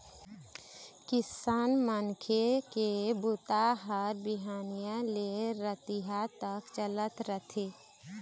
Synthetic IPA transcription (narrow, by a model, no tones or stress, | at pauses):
kɪsaːnmənkʰekebʊt̪aɦaɾbɪɦaːnijãleɾət̪iɦat̪əkt͡ʃələt̪ɾət̪ʰeː